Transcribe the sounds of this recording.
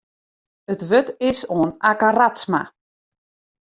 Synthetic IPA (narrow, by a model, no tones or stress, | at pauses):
ətʋøtɪsoːnakaratsma̰